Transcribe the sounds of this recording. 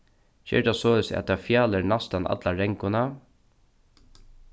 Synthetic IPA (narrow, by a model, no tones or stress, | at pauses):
çɛ̰ːɹt̪asɔːɪsa̰t̪afjaːləɾnast̪ana̰t̪laɹɛŋkʊna